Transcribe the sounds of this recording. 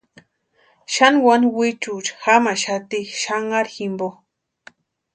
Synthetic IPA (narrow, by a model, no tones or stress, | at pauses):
ʃanwanwit͡ʃut͡ʃxamaʃat̪iʃaŋaɾximbo